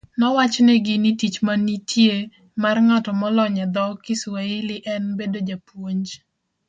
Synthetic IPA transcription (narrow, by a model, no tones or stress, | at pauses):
nɔwat͡ʃnɛɡɪnitit͡ʃmanitʰje | marŋatɔmɔlɔɲɛd̪ɔkɪsweɪlɪʔɛnbedod͡ʒapwoɲd͡ʒ